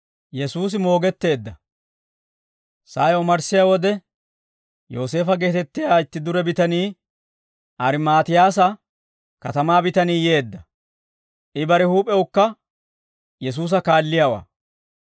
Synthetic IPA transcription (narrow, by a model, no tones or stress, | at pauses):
jɛsuːs̬ɪmo̞ːɡɛt̪ːe̞ːd̪ːɐ | saːjɔmɐɾsɪjawɔd̪ɛ | jo̞ːse̞ːfɐɡe̞ːt̪ɛt̪ːɪjaːɪt̪ːɪd̪ʊɾɛbɪt̪ɐniː | ʔɐɾɪmaːt̪ɪjaːsɐ | kɐt̪ɐmaːbɪt̪ɐniːje̞ːd̪ːɐ | ʔɪbɐɾɛhuːpʼɛwʊkːɐ | jɛs̬uːs̬ɐkaːlːɪjaːwa̰ː